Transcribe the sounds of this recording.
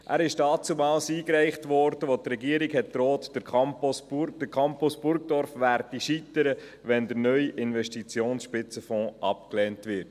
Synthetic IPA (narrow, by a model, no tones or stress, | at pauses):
ʔæ̰ːɾɪʃd̥ɑːt͡sumɑlsiːkɾæɪχtʋɔɾd̥əʋotrɛɡiːəɾɪkhɛt̚tɾoːtd̥əɾpɔsd̥əkʰɑmpusb̥ʊɾkd̥ɔɾfʋæːɾdiʃit̪əɾə | ʋɛndəɾnœʏjʔɪnʋɛʃtit͡sjoːnsʃpɪt͡səfɔ̃ːʔɑpklɛːntʋɪɾt